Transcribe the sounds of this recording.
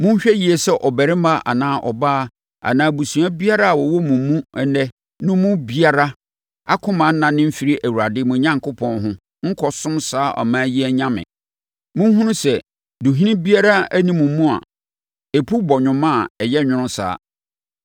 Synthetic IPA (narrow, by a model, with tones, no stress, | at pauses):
mʊ̃˦n̩˦ɕᶣɛ˦ji˨ɛ˨sɛ˦ʔɔ˨bɛ˨ɾɪ̃˦ma˦ʔa̰˨nãː˦ʔɔ̰˨baː˦ | a̰˨nãː˨˦˨bu˨sũ˨a˦bi˦a˦ɾa˦a˨wɔ˨wɔ˦mũ˨m˦mũ˦ɛ˦nɛ˦ | nʊ̃˦mũ˦bi˦a˦ɾa˦ | a̰˦kʰʊ̃˦mã˨n̩˦nã˨nɪ̃˦m̩˦fi˦ɾi˦ʔæ˨wu˨ɾa˨dɪ˦mʊ̃˨˦ɲã˦ŋkʰʊ˦pʰɔ̃˦nɦʊ̃˦ | ŋ̩˦kʰɔ˦sʊ̃˦msaː˦ʔɔ̰˨mãː˦ji˦ɛ˦ɲã˦mɪ̰̃˨ | mʊ̃˦n˦ɦʊ̃˦nʊ̃˦sɛ˨ | du˨ɦĩ˦nĩ˦bi˦a˦ɾa˦æ˦nĩ˦mũ˨m˦mːũ˦a̰˨ | e˨pʰu˦bɔ˨ɲᶣʊ̃˨mã˦˨ɛ˨jɛ˦ɲᶣʊ̃˦nʊ̃˦sa̰ː˦